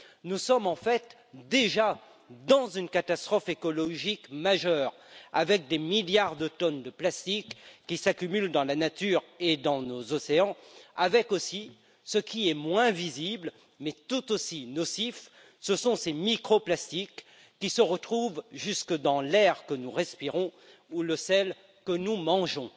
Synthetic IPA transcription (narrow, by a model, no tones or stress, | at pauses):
nusɔmɑ̃fɛt̪ | d̪eʒa | d̪ɑ̃zynkat̪ast̪χɔfekɔlɔʒikmaʒœːʁ | a̰vɛk̚d̪emiljaʁd̪ət̪ɔnd̪əplast̪ikːisakʲymyld̪ɑ̃lanat̪yʁed̪ɑ̃nozɔseɑ̃avɛkosi | səkʲiɛmwɛ̃vizibl | mɛt̪ut̪osinɔsif | səsɔ̃semikχɔplast̪ikː | isəʁət̪χuvʒyskəd̪ɑ̃lɛʁkənuʁɛspiʁɔ̃ | uləsɛl | kənumɑ̃ʒɔ̃